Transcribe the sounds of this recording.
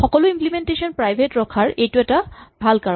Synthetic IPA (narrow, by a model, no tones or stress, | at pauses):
xɔkɔlʊimplimentesɔnpɹajbʱetɹɔkʰaɹejtuɛtabʱalkaɹ